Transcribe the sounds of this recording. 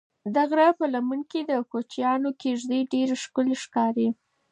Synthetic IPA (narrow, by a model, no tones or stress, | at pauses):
d̪aɣɾapəlamənked̪əkot͡ʃjɑnokeʒd̪əɖeɾeʃkʊleʃkɑɾi